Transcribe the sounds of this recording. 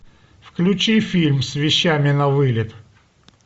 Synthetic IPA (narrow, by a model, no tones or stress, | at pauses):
fklʲʉt͡ɕifʲilʲmsvʲɪɕːamʲɪnɐvɨlʲɪt̪